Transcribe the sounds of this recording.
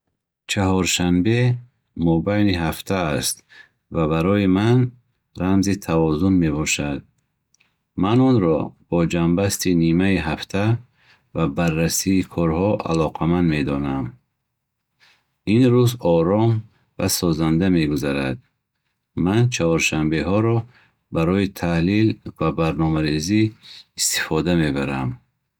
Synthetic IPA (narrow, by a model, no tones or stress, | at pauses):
t͡ʃʰahɔɾʃanbe̞ | mɔbajniɦaft̪ʰaːst̪ | vaβaɾɔiman | ɾamzit̪ʰavɔzunme̞bɔʃad̪̚ | manɔnɾɔb̥ɔd͡ʒambast̪inimaiɦaft̪ʰa | vabarːasiːkʰɔɾhɔʔa̰lɔqʰamand̪me̞d̪ɔnam | inɾuzɔɾɔm | vasɔzand̪ame̞ɡuzaɾad̪̚ | mant͡ʃʰahɔɾʃambe̞ɦɔɾɔ | baɾɔit̪ʰahlilvabaɾnɔmaɾeziːst̪i̥fɔd̪ame̞baɾam